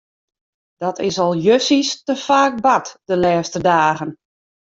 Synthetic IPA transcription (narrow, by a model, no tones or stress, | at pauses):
d̥ɔtɪsɔlˠjøsistəfaːk̚batd̥əlɛːstədaːɣən